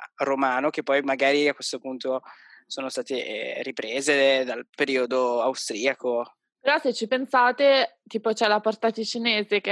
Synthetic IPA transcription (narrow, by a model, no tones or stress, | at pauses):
romaːnok̟epːɔjmaɡaːɾiakːwest̪opunt̪o | soːnost̪aːt̪eripɾeːzed̪alpeɾiːod̪oawst̪ɾiːako | peɾɔset͡ʃːipensaːt̪et̪iːpot͡ʃɛlapɔrt̪at̪it͡ʃineːzek